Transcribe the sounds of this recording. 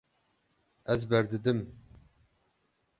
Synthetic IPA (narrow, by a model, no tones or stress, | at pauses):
ɛzbɛɾd̪ɨd̪ɨm